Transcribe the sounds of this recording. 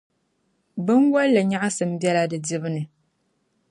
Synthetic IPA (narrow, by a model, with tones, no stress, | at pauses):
bɨ˦nwa˦la˨ɲa˦ʔa˦sɨ˨m̩˦bɛ˦la˦dɨ˨di˦bɨ˦nɨ˨